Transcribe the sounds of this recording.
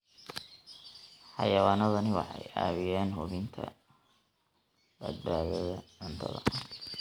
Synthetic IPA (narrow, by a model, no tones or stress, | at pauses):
ħɑjɐwaːnɐðɐnɪwɑ̰ħɑjaːβɪjaːnɦʊβɪnt̪ʰɐ̰ | bɐd̪̚baːɣɐðɐʕʊnt̪ʰɐ̰ðɐ̰